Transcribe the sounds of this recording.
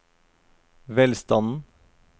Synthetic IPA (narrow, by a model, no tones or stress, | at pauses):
ʋɛlst̪ɑnn̩